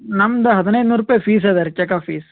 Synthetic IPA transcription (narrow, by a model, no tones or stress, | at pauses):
nɐmːɐd̪ɐɦɐd̪inɐjd̪nuːɾuːpːɐjɐpiːs̬ed̪ɐɾt͡ʃɛkafiːs